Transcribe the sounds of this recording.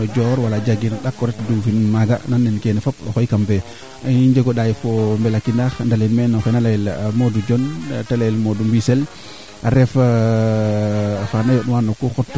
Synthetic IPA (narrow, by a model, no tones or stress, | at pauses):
ɔd͡ʒɔɾwalad͡ʒaɡinɗakːɔɾɛtdufinmaɡa̰nanːɛnkɛnɛfapɔxɔjkampɛ | iɲd͡ʒɛɡɔɗajfɔmbɛlakːinaxndalinmɛnɔxɔnalajɛlmodud͡ʒɔntalajɛlmodumbisɛl | aɾɛf | fanajɔɗuwanɔkɔxɔtː